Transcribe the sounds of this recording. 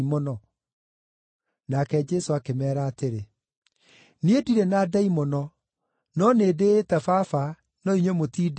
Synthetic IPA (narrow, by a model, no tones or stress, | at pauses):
mɔnɔ | nakɛd͡ʒɛsoakemɛːɾaːteɾe | niediɾɛnaːdaimɔnɔ | nɔneːdeːtɛfafa | nɔiɲwemotiːd